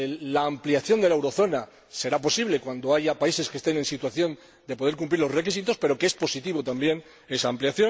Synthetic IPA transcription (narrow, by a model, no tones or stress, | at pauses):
lːaːmpliaθjo̞nd̪elaewɾo̞θo̞na | se̞ɾapo̞siβle̞kwand̪o̞aʝapaise̞ske̞st̪e̞ne̞nsit̪waθjo̞n | d̪e̞po̞ð̞eɾkump̬liɾlo̞re̞kisit̪o̞spe̞ɾo̞kee̞spo̞sit̪iβ̞o̞t̪ambje̞n | e̞saːmpljaθjo